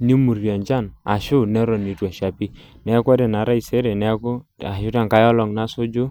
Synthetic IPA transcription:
ni˦mu˨ɾja˨nd͡ʒa˦˨na̰˨ʃʊ˦nɛ˦ɾɔ˨ni˨tu˨a˨ʃa˨pi˦ | nɛ˦kʷa˦dɛ˨na˨˦ɾa˦i˨sɛ˦ɾɛ˨nɛ˦kʊ˦a˨ʃʊ˦ɾa˦˨ŋka˨˦jɔ˦lɔ˨ŋna˦sʊ˦d͡ʒʊ˦

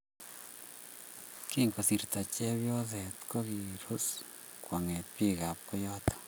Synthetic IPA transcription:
ki˦ŋɡo˨si˨ɾt̪a˨t͡ʃɛ˦βjo˦ðɛ˨t̪ko˦ɣi˨ɾo˦s | kwa˨ŋɛ˨pi˦ɣa˨p̚o˦jɔ˦t̪o̥˨

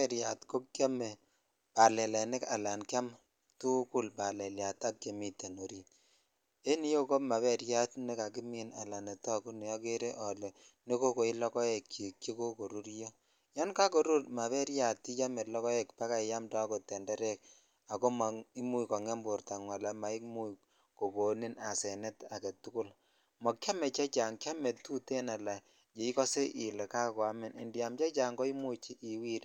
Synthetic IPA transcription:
ɛ˨ɾja˨tko˦k̚a˦me˨ | pa˨lɛ˨lɛ˨nɪ˦ka˨la˨nka˦m | tu˦ku˦lpa˨lɛ˨lja˨ta˦ke˨mi˨te˨no˨ɾi˨t | e˦ni˦jo˦ko˦ma˨βɛ˦ɾja˦tne˦ka˨k̬i˦mi˨na̰˨la˨ne˨tɔ˦ku˦ne˨jɔ˦ke˦ɾe˦ʔɔ˨le˨ne˦ko˦ko˨i˦lɔ˦kɔ˦e˨kːi˨kːi˦ko˦ko˨ɾu˦ɾjo˦ | ja˦nka˦ko˨ɾu˦tma˨βɛ˦ɾja˨ti˦t͡ʃa˦me˨lɔ˦kɔ˦e˨kpa˦ka˦˨ja˦mdɔ˦ko˨tɛ˨ndɛ˦ɾɛ˦k | a˨ko˦ma˨i˦mu˦kɔ˨ŋɛ˦mbʊ˨ɾta˨ŋwa˨la˨ma˨˦i˦mu˦ | ko˨ko˨ni˦na˨sɛ˨nɛ˦ta˨ke˨tu˦kʊ˦l | mɔ˨kʲja˦mɛ˨t͡ʃa˦t͡ʃa˨ŋkʲja˦me˨tu˦te˦na˨la˨ | d͡ʒe˨i˦kɔ˦se˦ʔɪ˨le˨ka˦˨ka˦mɪ˦nɪ˨ndja˨mt͡ʃa˦t͡ʃa˨ŋɡɔ˦i˦mu˦t͡ʃi˦ʔi˨wi˦ɾ

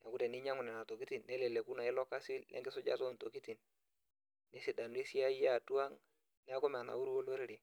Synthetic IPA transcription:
n˨a˨ku˦de˨ni˦ɲa˦ŋu˨nɛ˨na˨to˨ki˦ti˨nːe˦le˨le˨ku˦na˨i˦lɔ˦ka˦si˦llʔḛ˦ɡi˦so˦d͡ʒa̰˦to˦˨nto˨ki˦ti˨n | ne˦si˨da˨n˦i˦si˦a˦ja˦˨tu˦a˦ŋ | nɛ˦a˦ko˦m˨a˨na̰˨wu˦ɾwo˦lo˦ɾɾi˨

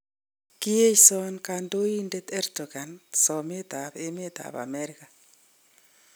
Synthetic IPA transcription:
ki˦e˦t͡ʃsɔnkando˦i˦ndet̪ɛ˦rdoɣa˨nsɔ˨me˦t̪ape˦me˦t̪a̰pa̰meɾka

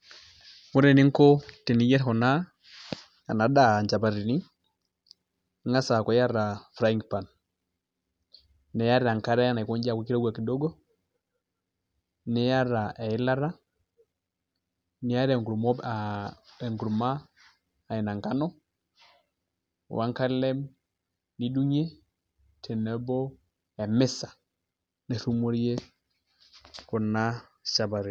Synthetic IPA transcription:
mu˦ɾɛ˨ni˦ŋ˦kɔ˦tɛ˨ni˦jɛ˦ɾhɔ˨na˦ | a̰˨na˨da˦˨ɲd͡ʒa˨pa˨ɾi˨ni˦ | ŋa˦sa˨kɔ˨˦ja˦ɾa˨fɾa˦i˦ŋɡpa˨n | nɛ˨ja˦ɾɛ˨a˨ŋka˦ɾa˦ja˦na˨i˨kɔ˦ɲd͡ʒa˨kɛ˦ki˦ɾɔ˦ɡa˨ki˨dɔ˦ɡɔ˦ | nɛ˨˦ja˦ɾa˨ɛ˨i˦la˦ɾa˦ | ni˨˦a˦ɾɛ˨ŋɡu˨mɔ˦˨ɛ˨ŋɡu˨ɾu˨maː˦˨ | ɪ˨na˨ŋka˦nɔ˦ | wa̰˨˦ŋka˦lɛ˦m | ni˦du˦ɲe˦ | tʰɛ˨nɛ˦bɔ˦ | ɛ˨mɪ˦sḁ˨ | ne˨θu˦mo˦ɾi˦e˦ | kɔ˨na˦ | ʃa˨ba˨ɾi˨

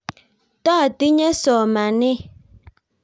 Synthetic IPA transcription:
ta˦a˨ti˦ɲɛ˦sɔ˨ma˨nɪ˦

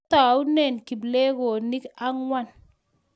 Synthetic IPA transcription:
t̪a˨u˦nɛ˨nki˨blɛ˦ɡo˨ni˦ka˦ŋwa˦˨n

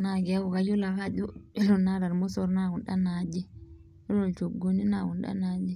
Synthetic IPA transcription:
na˨ɡi˨a˦u˨ka˦ju˦la˨ka˦du˦u˨na˦ɾa˨ɾmo˦so˦ɾna˦ɡu˨nɗa˦na˨d͡ʒi˦ | o˦lo˨lt͡ʃo˨ɡo˦ni˦na˨ɡu˨nɗa̰˦na˨d͡ʒi˦

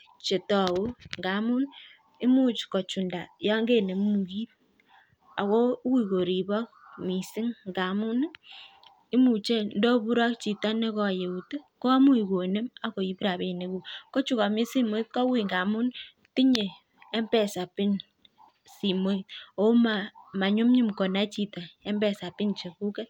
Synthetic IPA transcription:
t͡ʃe˨tɔ˨u˦ŋɡa˨˦mu˦n | i˦mu˦t͡ʃkɔ˨t͡ʃu˨nda˨ja˦ŋɡe˦ne˨mu˨ki˦t̚ | a˨ko˦wi˦˨ko˨ɾi˨bɔ˦k̚mi˨sɪ˦ŋɡa˨mu˦n | i˦mu˨t͡ʃe˦ndo˦bu˦ɾɔ˦k̚t͡ʃi˨ta˦ne˦kɔ˦˨je˨u˨te˦ko˦a˦mu˦i˨ko˨ne˦ma˦ko˨i˦pɾa˨be˨ne˦ku˨ko˦t͡ʃu˦ka˨mi˦si˦mo˦i˦kɔ˦wi˦˨ŋɡa˨mu˦n | ti˦ɲeː˨˦ | mbɛ˨sa˨pɪ˦n | si˨mo˦˨o˦ma˨ma˨ɲu˦mɲi˦mko˨na˦t͡ʃi˦ta˨e˦mbɛ˨sa˨pi˦nt͡ʃe˨ku˦ke˦

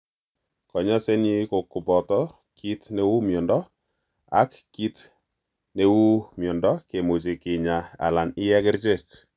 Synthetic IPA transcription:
kɔ˨ɲɔ˦sɛ˦ni˦kʊ˨kːu˨pɔ˨t̪ɔ˦ | ki˦t̪ne˦wu˦mjɔ˨ndɔ˦ | a̰˦kːi˦t | ne˦wu˦mjɔ˨ndɔ˦ke˨mo˨t͡ʃi˨kɪ˨ɲa˨a̰˨la˨nɪ˦jɛ˦kɪ˦ɾd͡ʒe˦˨k

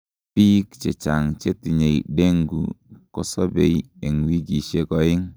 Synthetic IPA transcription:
pi˦kt͡ʃe˨t͡ʃa˨ŋt͡ʃe˦ti˨ɲe˨iɗe˦ŋɡṵ˨kɔ˦sɔ˦be˨i | e˨ŋwi˦ɡi˨ʃe˦kɔ˨ɪ˦ŋ

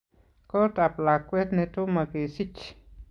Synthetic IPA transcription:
kɔ˦ta˨pla˨kːwɛ˦tnɛ˧to˦ma˨ke˨si˦t͡ʃ

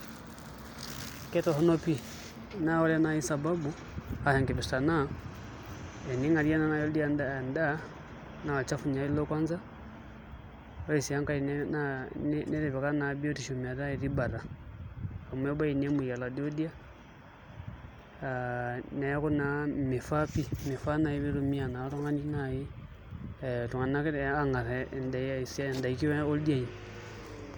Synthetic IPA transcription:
kɛ˦tɔ˨hɔ˦nɔ˦pi˦ | na˦ɔ˦la˦na˦i˦sa˨ba˦bu˦ | ha˨hɛ˨ŋɡɛ˨bɛ˨sta˨na˦ | ɛ˨ni˦ŋa˨ɾija˦na˦na˨jɔ˦di˦a˨nda˨nda˦ | na˨a˨t͡ʃa˦fu˨ɲa˨i˦lɔ˦kwa˦nza˦ | ɔ˦i˨si˨a˦ŋka˦i˨ | nɛ˦ɾɛ˨βɛ˨ka˦na˨bi˦ɔ˦ti˨ʃɔ˨m˨a˨ɾa˦i˨ɾi˦ba˨ɾa˨ | a˨mwe˦ba˦i˨ne˦mu˨ja˨la˨do˦di˦a˦ | ane˨˦ku˦nami˨fapi˦mi˨fa˦na˨i˦βi˦ɾo˨mi˦a˨na˨to˦ŋa˦ni˦naji˦ | tu˨ŋa˨na˦ka˦ŋa˨ɾe˨ndasnda˨iki˦we˦o˦ldia˦i˨ni

